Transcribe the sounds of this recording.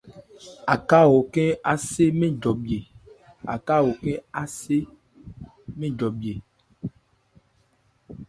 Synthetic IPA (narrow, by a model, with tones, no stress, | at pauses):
a˨ka˦wo˨ke˦a˦se˦mẽ˦d͡ʒɔ˨bi˨e˨ | a̰˨ka˦wo˨kẽ˦a˦se˦ | mẽ˦d͡ʒɔ˨bi˨e˨